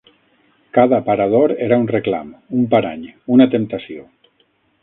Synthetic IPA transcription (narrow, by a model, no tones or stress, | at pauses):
kaðapaɾað̞oɾeɾaunrekla̰mumpaɾa̰ɲunat̪emt̪asio